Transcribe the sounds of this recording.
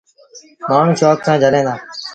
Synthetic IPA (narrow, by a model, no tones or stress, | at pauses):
maːɳ̤ũːʃoːksãːd͡ʒʱəlẽːd̪aː